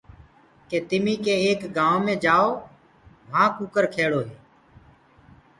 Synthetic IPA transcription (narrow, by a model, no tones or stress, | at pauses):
keːt̪ɪmĩːkeːeːkɡãːõːmẽːd͡ʒaːoː | ʋʱãːkuːkəɾkʰeːɽoːɦeː